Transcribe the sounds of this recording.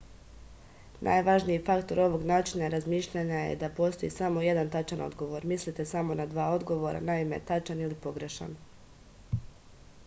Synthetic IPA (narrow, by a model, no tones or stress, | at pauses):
nʔa̰jʋaʒnijifakt̪o̞ɾo̞ʋo̞ɡnaːt͡ʃinaɾazmiːʃʎaɲajḛd̪apo̞ːst̪o̞jisamo̞je̞d̪ant̪at͡ʃanʔo̞̰d̪ɡo̞ʋo̞ɾmislit̪e̞samo̞nad̪ʋaːo̞d̪ɡo̞ʋo̞ɾa̰naime̞t̪at͡ʃanilipo̞ɡɾe̞ʃa̰n